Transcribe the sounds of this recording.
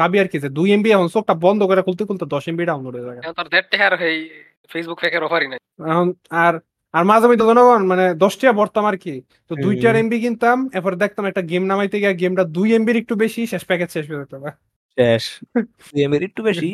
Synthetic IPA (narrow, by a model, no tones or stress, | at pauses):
kabiaɾkized̪ujembiɛɦonsok̚ʈabɔnd̪ʱokɔɾakʰult̪ikʰult̪ad̪ɔʃembiɖaonoɾoezajaɛõnt̪ɔaɾd̪ɛʈ̚ʈɛɦaɾɦej | fesbukfʰɛkʰeɾɔfʰaɾinaj | ɛɦonaɾ | aɾmazʱamit̪̬ed̪ʱɔnoɡɔnmaned̪ɔʃʈijabɔɾt̪amaɾki | t̪od̪ujʈaɾembiɡint̪amɛpʰɔɾed̪ɛk̚t̪amɛk̚ʈaɡemnamajt̪eɡɛjaɡemʈad̪ujembiɾek̚ʈubeʃiʃɛʃpɛked͡ʑʃɛʃbɛsajt̪aba | ʃɛʃ | d̪ujembiɾek̚ʈubeʃi